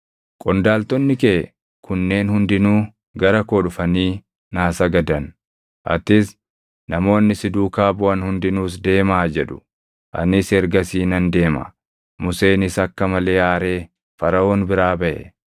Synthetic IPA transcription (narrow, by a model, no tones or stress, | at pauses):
kʼɔnd̪aːlt̪ɔnːɪkeː | kʰʊnːe̞ːnhʊnd̪ɪnuː | ɡɐɾɐkɔːᶑʊfɐniː | naːsɐɡɐd̪ɐn | ʔɐ̰t̪ːɪs | nɐmo̞ːnːɪsɪd̪uːkaːbʊɐnhʊnd̪ɪnuːs̬d̪e̞ːmaːd͡ʒɛᶑʊ̥ | ʔɐ̰nɪsɛɾɡɐsiːnɐnd̪e̞ːmɐ̰ | mʊse̞ːnɪsɐkːɐmɐle̞ːaːɾe̞ː | fɐɾɐoːnbɪɾaːbɐʔɛ̰